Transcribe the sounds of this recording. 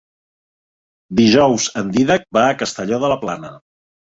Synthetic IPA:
d̪iʒɔwzənd̪iðək̚baːkəst̪əʎɔðələplanə

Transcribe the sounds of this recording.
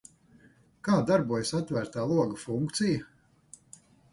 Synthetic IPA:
kaːd̪aɾbuɔjasat̪ːvæːɾt̪aːlˠuɔɡafuŋkt̪sija

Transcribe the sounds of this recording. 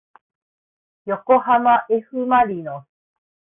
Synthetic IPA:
jo̞ko̞hamaʔeɸɯ̟maɾʲino

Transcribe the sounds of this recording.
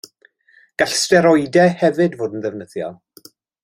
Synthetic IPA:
ɡ̥aɬstɛɾɔɨdɛhɛvɨdvoːdən̩ðɛvnəðjɔ̰lˠ

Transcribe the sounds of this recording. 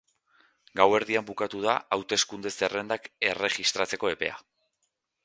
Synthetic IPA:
ɡawe̞ɾðiambukat̪uðaawt̪e̞skund̪e̞sere̞nd̪ake̞re̞ɣist̪ɾat͡se̞ko̞e̞pe̞̰a̰

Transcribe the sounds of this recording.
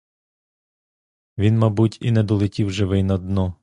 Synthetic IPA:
ʋʲinmɐbutʲinɛd̪ɔlˠɪtʲiwʒɪʋɪjnɐd̪nɔ

